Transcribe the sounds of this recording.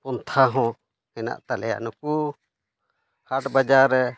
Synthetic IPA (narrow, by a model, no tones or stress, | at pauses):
pɔnt̪ʰaɦɔ̃ | hɛna̰ʔt̪alɛja̰nuku | haʈbad͡ʒaɾɛ